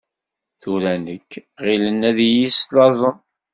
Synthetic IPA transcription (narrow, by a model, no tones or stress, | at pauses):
θuɾænəkːʁilənːæðjislɑzˤən